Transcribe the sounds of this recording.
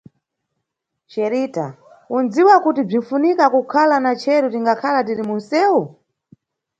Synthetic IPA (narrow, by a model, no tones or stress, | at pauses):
t͡ʃɛɾita | und͡ziwakutib͡ʐin̩funikakukʰalanat͡ʃʰɛɾutiŋɡakʰalat̬iɾimun̩sɛːu